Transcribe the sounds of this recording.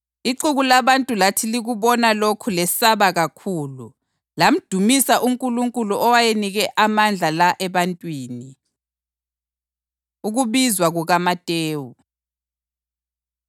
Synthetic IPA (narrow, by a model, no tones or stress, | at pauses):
iǃuɣulaβantʼulatʰiliɣuβɔnalokʰulɛsaβaɣakʰuːlu | lam̩d̥ʱumisaʔuŋkʼuluŋkʼuluʔɔwajeniɣɛʔamand͡ɮʱalaʔɛβantʼwiːni | uɣuβizwaɣuɣamatʼeːwu